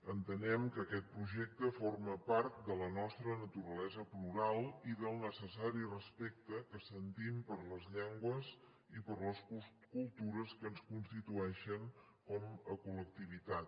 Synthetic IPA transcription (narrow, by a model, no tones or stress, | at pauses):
ənt̪ənɛmkəːkɛt̪̚pɾuʒɛk̚t̪əforməpaɾt̪̚d̪ələnɔst̪ɾənət̪uɾəlɛzəpluɾalˠiðəlˠnəsəsaɾirəspɛk̚t̪əkəsənt̪impəɾləzʎɛŋɡwəz | ipəɾləsu | kulˠt̪uɾəskənskunst̪it̪uɛʃəŋ | kɔməkulək̚t̪iβ̞it̪at̪